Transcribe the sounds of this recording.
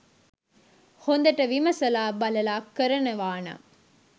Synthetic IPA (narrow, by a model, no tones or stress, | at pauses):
hond̪ɐʈːɐʋimɐsɐlaːbɐlɐlaːkːɐɾɐnɐʋaːnɐ̰